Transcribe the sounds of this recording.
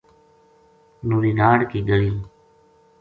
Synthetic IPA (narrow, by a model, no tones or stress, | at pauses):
nuːɾiːnaːɽkiːɡəɽiː